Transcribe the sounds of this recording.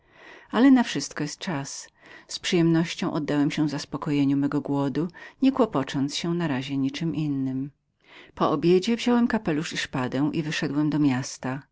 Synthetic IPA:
alɛnafʂɘst̪kɔjɛst̪̚t͡ʂas | spʂɨjɛmnɔɕt͡ɕɔ̃w̃ʔɔd̪ːawɛmɕɛ̃vzaspɔkɔjeɲumɛɡɔɡwɔd̪uɲɛkwɔpɔt͡ʂɔnt̪sɕɛnaɾaʑɛɲit͡ʂɘmʔinːɘm | pɔʔɔbʲjed͡ʑɛvʑɔwɛmkapɛluʂiʂpad̪ɛw̃ʔivɘʂɛd̪wɛmd̪ɔmʲjast̪a

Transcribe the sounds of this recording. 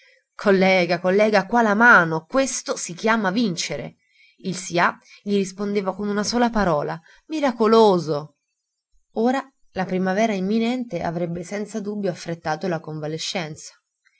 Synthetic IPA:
kʰolːɛːɡakolːɛːɡakwalamaːnokwest̪osik̟jaːmavint͡ʃeɾḛ | ilsia | ʎiɾispond̪eːvakonunasoːlapaɾɔːla | miɾakoloːzo | oːɾa | lapɾimavɛːɾaimːinɛnt̪eʔa̰vɾɛbːesɛnt̪sad̪ubːjoafːɾet̪ːaːt̪olakoɱvaleʃːɛnt̪sḁ

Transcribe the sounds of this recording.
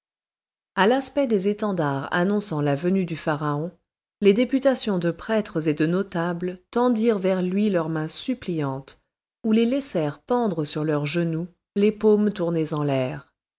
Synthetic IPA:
alaspɛd̪ezet̪ɑ̃d̪aʁa̰nɔ̃sɑ̃lavənyd̪yfaʁaɔ̃ | led̪epyt̪asjɔ̃d̪əpχɛt̪χəzed̪ənɔt̪ablt̪ɑ̃d̪iʁvɛʁlɥilœʁmɛ̃syplijɑ̃t̪ | ulelɛsɛʁpɑ̃d̪ʁəsyʁlœʁʒənu | lepomt̪uʁnezɑ̃lɛːʁ

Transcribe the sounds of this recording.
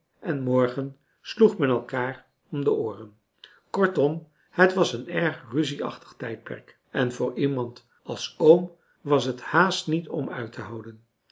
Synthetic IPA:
ʔɛnmɔɹχən | sluχmɛnɛlˠkaːr | ɔmdəʊːrən | kɔɹtɔm | hətʋɑsənɛɹχryziɑ̰χtə̥χtɛjt̚pɛ̰ɹk | ɛnvʊːɹimɑnt | ɑlˠsowm | ʋɑsɦəthaːstnitɔmœ̰ɥtʰəɦɑwdən

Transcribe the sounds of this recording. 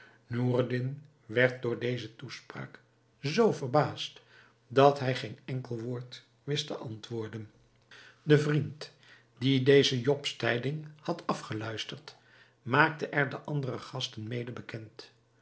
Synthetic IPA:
nuːrdɪn | ʋɛɹt̚dʊːɹdejzətuspra̰ːk | zowvəɹbaːst | dɑtɦɛjχenɛŋkəlˠʋoːɹt | ʋɪstəʔɑntʋʊːɹdən | dəvrint | didejzəjɔpstɛjdɪŋhɑtɑfχəlœɥstəɹt | maːk̚təʔɛɹdəʔɑndərəχɑstənmejdəbəkɛnt

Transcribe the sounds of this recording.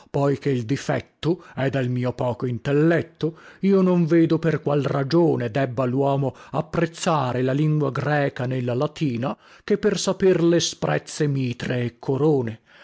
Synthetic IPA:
pɔjk̟eild̪ifɛ̰t̪ːoɛd̪elmiːopɔːkoint̪elːɛt̪ːoiːonoɱveːd̪operkwalrad͡ʒoːned̪ɛbːalwɔːmoapːɾet̪sːaːɾelaliŋɡwaɡɾɛːkanelːalat̪iːna | kepːersaperlespɾɛ̰t̪sːemiːt̪ɾeːkʰːoɾoːne

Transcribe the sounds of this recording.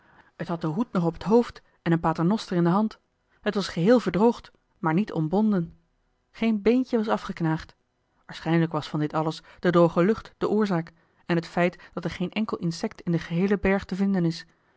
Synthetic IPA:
ɦətɦɑt̚dəɦutnɔχɔpətɦowft | ɛnənpaːtənɔstərɪndəɦɑnt | ɦətʋɑsχəɦɪːlˠvəɹdrowχt | maːɹnitʰɔ̰mbɔndən | χejnbejncəʋɑsɑfχəknaːχt | ʋaːɹsχɛjnələkʋɑsfɑndɪtɑləsd̥ədowχəlɵχtd̥əʔʊːɹzaːk | ɛnətfɛjtd̥ɑtɛɹχejnʔɛŋkəlˠɪnsɛk̚tɪndəχəɦejləbɛɹχtəvɪndənɪs

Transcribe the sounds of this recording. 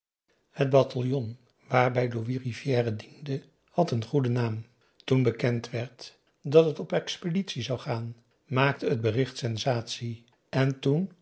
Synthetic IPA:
həd̚batʰɑlˠjɔn | ʋaːɹbɛjdoʋirivjɛːrədində | hɑtənχudənaːm | tunbəkɛntʋɛɹt | dɑtɦətɔpɛkspeditsizɑwχaːn | maːk̚təɦəd̚bərɪχtsɛnzaːtsi | ɛntun

